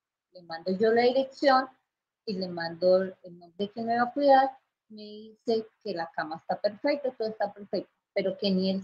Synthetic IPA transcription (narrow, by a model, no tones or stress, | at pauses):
lemãnd̪oʝo̞laðiɾe̞ksjo̞n | ilemãnd̪oemand̪ekenoeβakwiðaɾ | me̞ðise̞ke̞lakamaest̪ape̞ɾfe̞k̚t̪ait̪oðoest̪apeɾfek̚t̪o̥pe̞ɾo̞ke̞niel